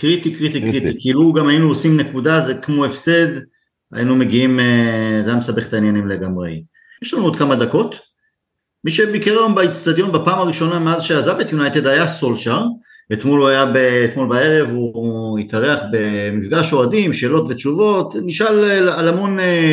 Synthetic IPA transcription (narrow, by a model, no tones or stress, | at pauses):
kʁit̪ikʁit̪ikʁitikiluɡamajinuosimne̞kudazekmo̞efsed̪ | a̰jinume̞ɡiimezajamesabe̞χet̪ainjanimle̞ɡamʁḛj | jeʃlanuod̪kamad̪ako̞t | miʃe̞bikeʁlambait͡st̪ad̪jo̞nbapaːmaʁiʃo̞nameazʃeazavbet̪junajt̪ed̪hajaso̞lʃaʁ | et̪muluajabeːt̪molbae̞ʁe̞vuit̪aʁeaχbe̞mifɡaʃoadimʃe̞ːlo̞tvett͡ʃuvo̞tniʃalalamo̞ne